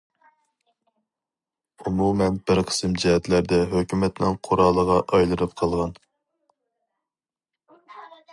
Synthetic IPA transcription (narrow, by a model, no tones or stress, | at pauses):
umumɛnbɪɾqʰə̥sɨmd͡ʒihɛt̪læɾd̪ɛɦøkʲymɛt̪nɪŋqʰoɾɑlˠːəʁɑʔɑjlˠɨnɨp̚qʰɑlˠʁɑn